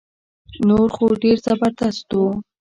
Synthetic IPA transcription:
noɾxoɖeɾzabaɾt̪ast̪o

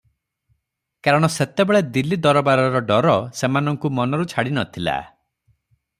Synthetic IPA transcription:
kaɾɔɽ̃ɔset̪ebeɭed̪ilːid̪ɔɾɔbaɾɔɾɔɖɔɾɔsemanɔŋkumɔnɔɾut͡ʃʰaɽinɔt̪ʰila̰

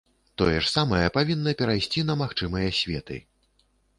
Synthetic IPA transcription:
t̪ɔjɛʂsamɐjɐpavʲinːɐpʲɛɾajsʲt͡sʲinɐmaxt͡ʂɨmɐjɐsʲvʲɛ̰t̪ɨ̰

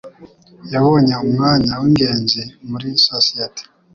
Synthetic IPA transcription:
jaβoɲaumŋaːɲawiŋɡe̞ːnzimuɾisosieti̥

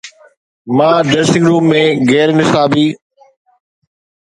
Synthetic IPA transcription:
mãːɖeːsɪ̃ŋɡɾuːpmẽːɣɛːɾnɪsaːbiː

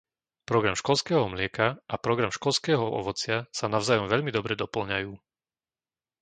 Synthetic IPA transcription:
pɾɔɡɾamʃkɔlskɛːɦɔmlɪɛkaʔapɾɔɡɾamʃkɔʎskɛːɦɔɔ̰ʋɔt͡sɪasanaʊzaːjɔmʋɛʎmid̪ɔbɾɛd̪ɔpl̩ɲajuː

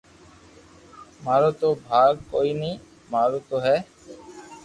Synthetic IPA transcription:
maːɾot̪obʱaːɡ̚kojni | maːɾot̪oɦɛː

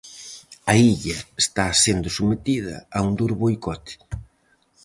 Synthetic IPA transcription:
ɐiʎɐest̪asend̪ʊsumet̪ið̞ɐ̰aund̪uɾβojkɔt̪ɪ̥

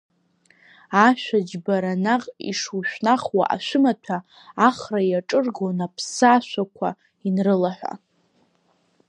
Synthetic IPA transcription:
aʃʷᶣad͡ʒbaɾanaqʼḭʂuwʃᶣʷnaχwa̰ʔa̰ʃʷɨmatʰaː | χrajaʈ͡ʂʼɨrɡonapʰsaʃʷakʷʰa | inrɨlaħʷa̰

